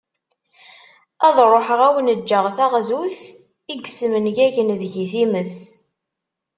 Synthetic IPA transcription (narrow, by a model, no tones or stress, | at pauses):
æðˤɾˤoħəʁæwənəd͡ʒːəʁθæʁzuθ | iɡsəmənʝæʝənðʝiθiməs